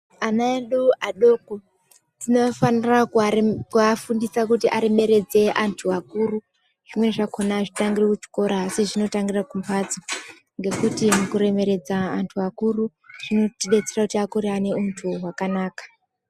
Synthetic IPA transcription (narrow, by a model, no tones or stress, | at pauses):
anaeɗuʔaɗo̞ːko | tino̞fanirakkuafundisakutiʔaɾe̞me̞ɾe̞d͡ze̞ʔantʰuakuru | ʐ̥imwe̞ʐakonaʐitaŋɡirekut͡ʃi̥ko̞ɾaːsiʐino̞taŋɡirakumpʰad͡zo | ŋɡe̞kutimukuɾe̞me̞ɾe̞d͡zaːntʰuakuru | ʐ̥ino̞tiɗet͡serakutiakuɾeane̞untʰuɦwakanaːkḁ